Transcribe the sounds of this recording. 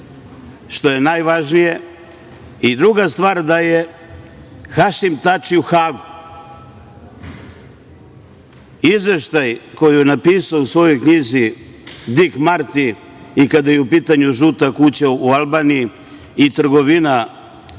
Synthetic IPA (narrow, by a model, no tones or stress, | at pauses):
ʃt̪o̞je̞najʋaʒnije̞ | id̪ɾuɡast̪ʋaːɾd̪aje̞ | xaʃimt̪at͡ʃiuxaːɡu | izʋe̞ʃt̪ajko̞jijenapiːsausʋo̞jo̞jkɲizi | d̪ikmaɾt̪i | ikad̪ajeupiːt̪aɲuʒut̪akut͡ɕaualˠbaːnijiː | t̪r̩ɡo̞ʋina